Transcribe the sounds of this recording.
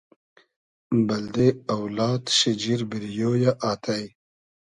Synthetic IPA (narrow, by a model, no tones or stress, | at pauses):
bɐld̪eɐwlɑːt̪ɕid͡ʑiɾbiɾjoːjaʔaːt̪aj